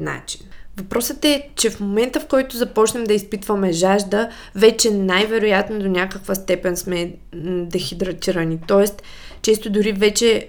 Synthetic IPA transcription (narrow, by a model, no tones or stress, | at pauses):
na̰t͡ʃi̥nvɐpɾɔsət̪ɛt͡ʃɛfmomɛnt̪əfkɔjt̪ʊzɐpɔt͡ʃnɛmd̪ɐispit̪vɐmɛʒaʒd̪ə | vɛt͡ʃɛnajvɛɾojat̪nod̪onʲakəkvəst̪ɛpɛnsmɛ | d̪ɛxid̪ɾɐt̪ʲiɾɐnit̪ɔɛst̪ | t͡ʃɛst̪od̪ʊɾivɛt͡ʃɛ